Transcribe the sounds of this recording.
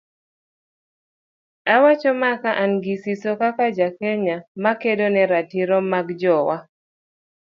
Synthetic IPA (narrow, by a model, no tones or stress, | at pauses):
awat͡ʃɔmakaʔanɡisisokakad͡ʒakɛɲamakedonɛɾatiɾɔmaɡd͡ʒɔwa